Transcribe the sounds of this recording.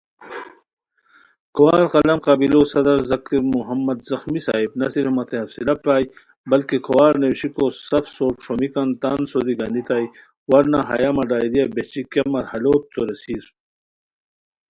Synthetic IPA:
kʰɐwaːɾqɐlɐmqɑbilosɐd̪ɐɾzɐkiɾmuɦɐmːɐd̪zɐxmisa̰ːibnɐsiɾfmɐt̪ʰeɐfsilɐpɾaːj | bɐlkekʰɐwaːɾnewɕikosɐfsoɾʈ͡ʂʰomikɐnt̪aːnsod̪iɡɐnd̪it̪aːj | wɐɾnaɦɐ̰jamɐɖaːjd̪ijɐbet͡ʃikɐmɐɾhɐloːt̪ːoɾɐsiːz

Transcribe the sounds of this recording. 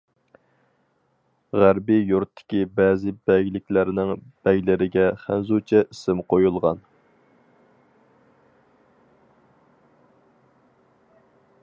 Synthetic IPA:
ʁæɾbijuɾt̪ʰːɪ̥kʲibɛːzɪbɛɡʲlɪkʲlæɾnɪŋb̥ɛɡʲlɪɾɪɡʲɛχænzut͡ʃʰɛʔisɪmqojulˠʁɑ̰n

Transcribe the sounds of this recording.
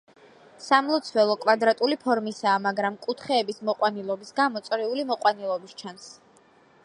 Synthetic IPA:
samlˠɔt̪sʰwɛlˠɔkʼwad̪ɾat̪ʼulipʰɔɾmisaːmaɡɾamkʼut̪ʰχɛːbismɔqʼwanilˠɔbisɡamɔt̪sʼɾɛulimɔqʼwanilˠɔbist͡ʃʰans

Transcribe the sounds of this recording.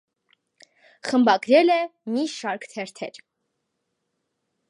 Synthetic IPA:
χəmbɑɡɾɛlɛmiʃɑɾkʰt̪ʰɛɾt̪ʰɛɾ

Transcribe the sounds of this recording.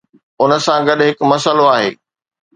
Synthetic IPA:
ʊnə̆sãɡɐɗɦɪkmɐsəloaːɦḛː

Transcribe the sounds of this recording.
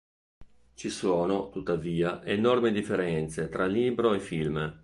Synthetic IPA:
t͡ʃisoːnot̪ut̪ːaviːaʔenɔrmid̪ifːeɾɛnt̪set̪ɾaliːbɾoefilm

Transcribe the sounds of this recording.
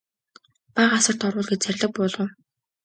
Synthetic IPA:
paʁasə̆r̥t̪ɔrwʊːɮɡet͡ɕt͡særʲɮə̆k̚pʊːɮɞ̆w

